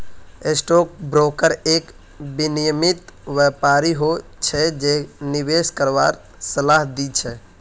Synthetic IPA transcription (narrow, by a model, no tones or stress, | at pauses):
esʈok̚bɾokəɾek | binijəmit̪ʋɛpaɾiɦot͡ʃʰɛd͡ʒeɦniʋeskəɾʋaɾ | səlaɦd̪it͡ʃʰɛ